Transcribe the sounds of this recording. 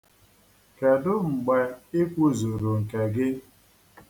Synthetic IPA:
ke˨dʊ˦ŋ͡m̩˨ɡ͡be˨ɪ˦kʷu˦zu˨ɾu˨ŋ̩˨ke˨ɡɪ˦

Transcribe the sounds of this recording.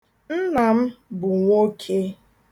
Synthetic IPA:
n̩˦na˨m̩˦bʊ˨ŋʷo˦kʰe˦

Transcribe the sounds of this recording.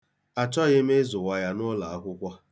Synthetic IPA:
a˨t͡ʃɔ˦ɣe˦me˦zʊ˨wa˨ja˦nʊ˦la˨a˦kʷʊ˦kʷɔ˦

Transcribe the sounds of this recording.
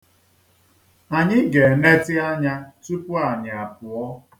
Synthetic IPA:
a˨ɲɪ˦ɡe˨ne˦tɪ˦a˦ɲa˦tu˦pʊ˦a˨ɲɪ˨a˨pʊ˨ɔ˦

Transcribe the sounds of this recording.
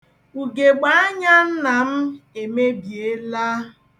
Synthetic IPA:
u˨ɡe˨ɡ͡ba˨˦a˦ɲa˦n̩˦na˨m̩˦e˨me˦bi˨e˦la˦

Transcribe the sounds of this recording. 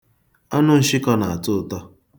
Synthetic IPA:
a˦nʊ˦n̩˦ʃɪ˦kɔ˦na˨a˨tʊ˦˨tɔ˦

